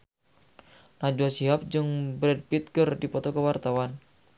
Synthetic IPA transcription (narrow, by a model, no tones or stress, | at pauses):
nad͡ʒuasiɦap̚d͡ʒɨŋbɾɛd̚pit̪̚kərdipɔt̪ɔkəwart̪awan